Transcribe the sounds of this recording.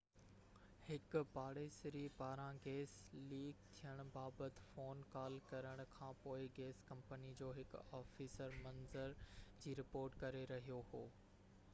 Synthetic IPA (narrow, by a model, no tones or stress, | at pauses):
hɪkʊbaːɽesɪɾipaːɾãɡeːsliːkt̪ʰijəɽ̃ʊ̆baːbət̪ɪ̥̆foːnkaːlkɐɾəɽ̃ʊ̆kʰãːpoːɪɡeːskɐ̃mpənid͡ʑoːɦɪkɔːfiːsəɾmɐ̃nzəɾd͡ʑiːɾɪpoːɾʈkɐɾeɾɐɦijohoː